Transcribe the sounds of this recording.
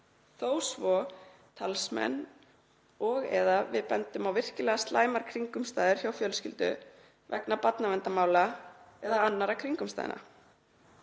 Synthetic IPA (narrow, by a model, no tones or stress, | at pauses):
θoːwsvɔ | t̪ʰalsmɛ̰n | ɔɣɛ̰ðavɪðpɛnt̪ʏmawvɪr̥cɪlɛɣast̪laːjmaɾ̥kʰɾiŋkʏmst̪aːðɪɾ̥çawfjœlscɪlt̪ʏ̰ | vɛ̰knapat̪navɛnt̪amaːwla | ɛðaanːaɾakʰɾiŋkʏmst̪a̰ːðɪ̰na̰